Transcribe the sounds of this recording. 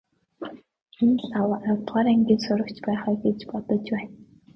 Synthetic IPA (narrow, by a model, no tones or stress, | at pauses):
enɮawawt̪ʁaːɾæŋɡʲiːnsʊɾə̆kt͡ɕpæːχɔːɡet͡ɕpɔt̪ɞ̆t͡ɕwæːn